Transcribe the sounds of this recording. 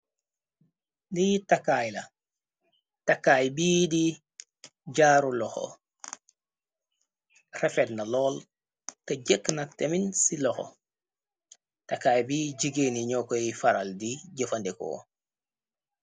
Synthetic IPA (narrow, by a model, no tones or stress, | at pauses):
nijtakaːjlɐ | takaːjbiːdi | ɟaːɾulɔxɔ̰ | rɛfɛt̚nalɔːl | tɐɟəkːnɐteminsilɔxo̰ | takaːjbiːɟiɡeniɲɔkɔifaɾaldiɟəfɐndɛkɔ̰